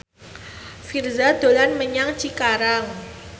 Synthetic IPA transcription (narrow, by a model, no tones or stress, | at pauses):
firzad̪̥o̤lanməɲaŋt͡ʃikaɾaŋ